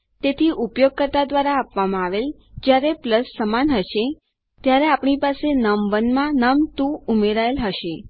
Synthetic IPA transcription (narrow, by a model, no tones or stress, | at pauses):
t̪et̪ʰiʔupjoɡ̚kəɾt̪ad̪ʋaɾaːpʋamãaʋel | d͡ʒjaɾepləsːəmanɦəʃe | t̪jaɾeapɳ̃ipasenəmʋənmãnəmt̪ũumeɾaelɦəʃe